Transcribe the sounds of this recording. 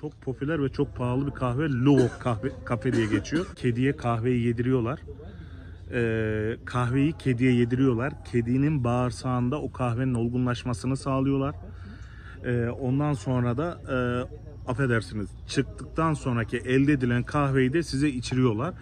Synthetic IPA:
t͡ʃʰo̞k̚pʰɾo̞pylʲæɾvɛt͡ʃʰo̞k̚pʰaːlˠɯbikʰaxvɛlʲuvokːʰavɛkʰafɛd̪ijɛɟe̞t͡ʃʰijo̞cʰe̞d̪ijɛkʰaxve̞jije̞d̪iɾijo̞lˠaɾ̥ | ɛːkʰaxve̞jicʰe̞d̪ijɛje̞d̪iɾijo̞lˠaɾ̥cʰe̞d̪ininbaːɾsaːnd̪aokʰaxve̞nino̞lˠɡunlˠaʃmasɯnɯsaːlˠɯjo̞lˠaɾ̥ | ɛːo̞nd̪anso̞nɾad̪aː | afe̞d̪æɾsiniz̥t͡ʃʰɯk̚t̪ʰɯk̚t̪ʰanso̞nɾacʰiʔɛlʲd̪ɛːd̪ilʲænkʰaxve̞jid̪ɛsizɛit͡ʃʰiɾijo̞lˠaɾ̥

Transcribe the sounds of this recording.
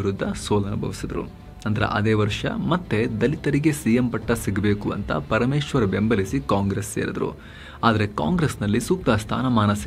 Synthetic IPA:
iɾud̪ʱːɐsoːlɐnubʱɐʋisid̪ɐɾṵ | ɐnd̪ɐɾḛʔɐ̰d̪eːʋɐɾʂɐ̰mɐt̪ːe̞d̪ɐlit̪ɐɾiɡe̞siːjempɐʈːɐsiɡɐbe̞ːkuɐ̰nt̪ɐ̰pɐɾɐmeːʃʋɐɾɐbe̞mbʱɐlisikaːŋɡɾesːeːɾɐd̪ɐɾṵ | aːd̪ɐɾe̞ka̰ːŋɡɾesnɐlːisuːk̚t̪ɐst̪ʰa̰ːnɐmaːnɐsi

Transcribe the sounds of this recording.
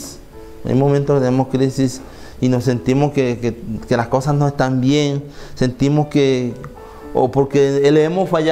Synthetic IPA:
s | a̰jmomẽnt̪okt̪eemoskɾisis | inosːent̪imoskekkelaskosasnoest̪ambjeŋsent̪imoske | o̰poɾkeeleemosfaj

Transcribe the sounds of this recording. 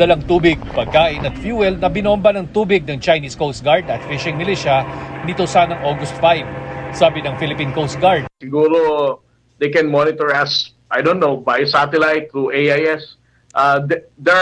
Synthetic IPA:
d̪ɐlaŋt̪uːbɪɡ̚pɐɡ̚kaːʔɪnɐt̪̚fjuːwɛlnɐbɪnombɐnɐŋt̪uːbɪɡ̚nɐŋt͡ʃɐjniskowst̪̚ɡaɹd̪ɐt̪fɪʃɪŋmɪliʃɐnɪt̪osaːnɐŋʔoɡʊst̪fajvsaːbɪnɐŋfɪlɪpinkowst̪̚ɡaɹd̪̚sɪɡuːɾo | d̪ejkɛ̃nmɔnɪt̪ɛɹɐs | ʔajd̪õnnowbajsat̪ɛlajt̪̚ːɹuʔejajɛs | ʔad̪d̪ɛ

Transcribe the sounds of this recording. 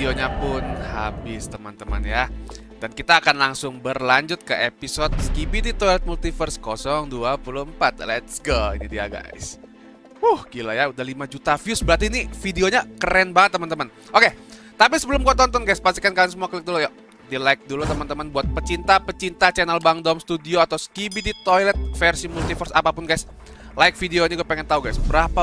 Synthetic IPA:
fideoɲapʊnha̰bɪst̪əmənt̪əmə̰nja | dankit̪aːkanlaŋsʊŋbərlaɲd͡ʒʊt̪̚kəʔepisɔt̪̚skipidit̪olɛt̪̚mult̪ifərskɔsɔŋduapuluəmpat̪̚lɛt̪sɡoḭnidia̰ɡa̰ɪ̰s | uhɡilajaudahlimad͡ʒut̪afijʊsbəɾart̪̬iːnifideoɲakəɾɛnbaŋət̪ːəmənt̪əmən | oke | t̪apisəbəlʊmɡuat̪ɔnt̪ɔnɡajspast̪ikankalaŋsəmuaklɪk̚duluja | dilaɪk̚dulut̪əmənt̪əmənbuat̪̚pət͡ʃint̪apət͡ʃint̪at͡ʃɛnɛlbaŋdɔmst̪udioat̪awskibidit̪ojlɛt̪̚fersimult̪ifərsapapʊnɡajs | laɪk̚fideoɲaɡuapeŋɛnt̪auɡajsbəɾapa

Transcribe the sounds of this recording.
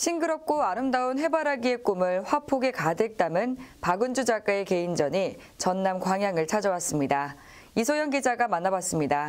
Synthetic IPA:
ɕʰiŋɡɯɾʌp̚k͈oaɾɯmdaonɸe̞baɾaɡie̞k͈omɯɭɸwapʰoɡe̞kadɯɭk̚t͈amɯnpaɡɯnd͡ʑud͡ʑak͈aeke̞ind͡ʑʌɲi | t͡ɕʌnːamkwaŋɦjaŋɯɭt͡ɕʰad͡ʑʌwas͈ɯmɲida | isʰojʌŋɡid͡ʑaɡamanːabas͈ɯmɲida

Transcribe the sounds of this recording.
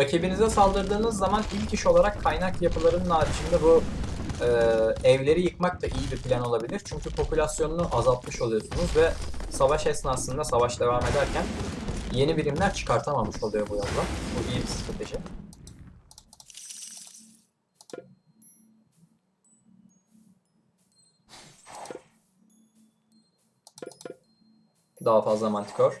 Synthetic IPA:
ɾacʰebinizɛsalˠd̪ɯɾd̪ɯːnɯzːamanilʲciʃo̞lˠaɾakʰːajnakjapʰɯlˠaɾɯnɯnaːɾiʃʰɯnd̪ɛbu | ɯːɛvlʲe̞ɾijɯkmak̚t̪ʰaʔijibipʰlʲæno̞lˠabilʲiɾt͡ʃʰyɲcypʰo̞pʰulʲasjo̞nunuʔazalˠt̪mɯʃo̞lˠujo̞sunuzvɛsavaʃɛsɯnasɯnd̪asavaʃd̪e̞vame̞d̪æɾcʰænje̞nibilʲimlʲæɾt͡ʃʰɯ̥kʰaɾt̪ʰamamɯʃolˠujo̞bujazlˠabuʔijibist̪ɾat̪ʰe̞ʒi | d̪aɦafazlˠamant̪ʰi̥cʰoɾ̥

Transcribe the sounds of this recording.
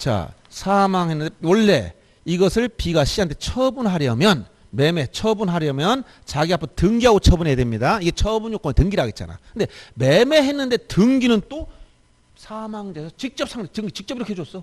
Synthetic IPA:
t͡ɕa̰ | sʰamaŋɦenːɯnd̥ewʌɭːe̞̰ | iɡʌsʰɯɭpiɡaɕʰiɦantʰet͡ɕʰʌbunɦaɾjʌmjʌn | me̞me̞t͡ɕʰʌbunɦaɾjʌmjʌn | t͡ɕaɡiapʰotɯŋɡiɦaɡot͡ɕʰʌbunedemɲidaiɡe̞t͡ɕʰʌbunjok͈ʌnetɯŋɡiɾɦaɡet̚t͡ɕ͈a̰na̰kɯnde̞me̞me̞ɦe̞nːɯnde̞tɯŋɡinɯnt͈o | sʰamaŋd͡ʑesʰʌt͡ɕik̚t͡ɕ͈ʌp̚sʰaŋdetɯŋɡit͡ɕik̚t͡ɕ͈ʌbiɾʌkewos͈ʌ

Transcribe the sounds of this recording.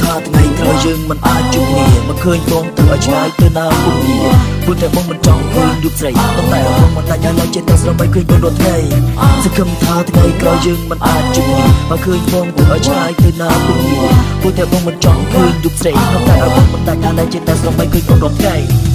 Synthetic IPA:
t̪ʰaːt̪ʰŋəjt̪rajəːŋmɨnʔaːc̚t͡ɕuːkniəmakʰəːɲɓɔːŋt̪ɨwʔaɔjt͡ɕʰlaːjt̪ɨwnaːpuŋniəpuət̪ɛəɓɔːŋmɨnt͡ɕɑŋkʰəːɲruːp̚srəjpont̪aɛʔɓoəŋɓɑnɗ̪ac̚ɗaːɗaɛlt͡ɕiət̪asrəmɓəjkʰəːɲɓonruət̪ʰkajsɑŋkʰɨmt̪ʰaːt̪ʰŋəjkraɔwjəːŋmɨnʔaːc̚t͡ɕukniəɓaːkʰəːɲɓɔːŋt̪ɨwʔaɔjt͡ɕʰlaːjt̪ɨwnaːpuəŋniəpuət̪ɛəɓɔːŋmɨnt͡ɕɑŋkʰəːɲruːp̚srəjpont̪aɛʔaɔɓoŋmɑnɗ̪ac̚ɗaːɗaɛlt͡ɕiət̪aɛsrəmɓajkʰəːɲponrŏət̪ʰkaɛ

